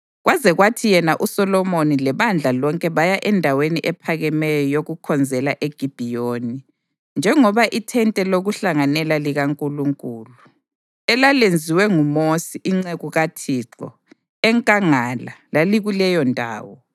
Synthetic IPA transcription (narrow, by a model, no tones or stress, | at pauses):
ɣwazɛɣwatʰijɛnaʔusɔlɔmonilɛβand͡ɮʱalɔŋkʼɛβajaʔɛndʱaweniʔɛpʰaɣɛmɛjɔjoɣukʰɔnd͡zʱɛlaʔeɡ̥ʱib̥ʱijoni | nd͡ʒʱɛŋɔβaʔitʰɛntʼɛloɣuɬaŋanɛlaliɣaŋkʼuluŋkʼuːlu | ɛlalend͡zʱiwɛŋumosiʔiŋ͡ǀeɣuɣatʰiːǁɔ̰ | ɛŋkʼaŋalalaliɣulɛjɔndʱa̰ːwɔ